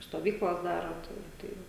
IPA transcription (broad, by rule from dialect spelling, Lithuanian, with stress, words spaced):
stoːˈʋʲiːklˠɐs ˈdɑːrɐ tɐɪ ˈtɐɪ